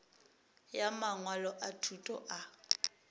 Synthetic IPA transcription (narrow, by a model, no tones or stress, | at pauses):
jamaŋwalɔʔatʰutʼɔʔa